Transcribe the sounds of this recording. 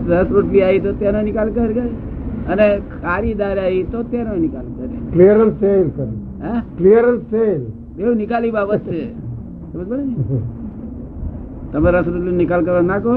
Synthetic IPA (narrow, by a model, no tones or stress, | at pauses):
ɾəsɾoʈliaɦit̪ot̪jananikalkəɾkəɾənekʰaɾid̪aɾaɦit̪ot̪jananikalkəɾḛkliəɾəlselkəɾ | akliəɾəlsel | d̪ewnikalibabət̪e | t̪əməsbəɽei | t̪əməɾəsɾoʈlinikalk̬əɾənako